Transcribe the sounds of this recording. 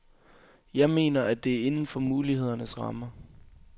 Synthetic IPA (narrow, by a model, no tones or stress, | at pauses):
jɑ̈ɪme̝̰ːnɐæd̥e̝æɐe̝nn̩fɒ̽muːlihe̝ð̞̰ˠɐnəsʁɑ̈mə